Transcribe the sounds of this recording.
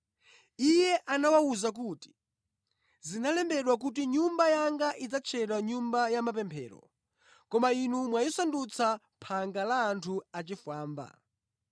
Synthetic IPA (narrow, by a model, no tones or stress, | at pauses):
ijɛʔanawauzak̬uti̥ | zinalɛmbɛɗwak̬ut̬iɲumbajaŋɡaʔid͡zat͡ʃʰɛɗwaɲumbajamapɛmpʰɛ̰ːɾɔ̰ | kɔmainumwajɔsandut͡sʰa | pʰaŋɡalaːntʰuat͡ʃifaːmba̰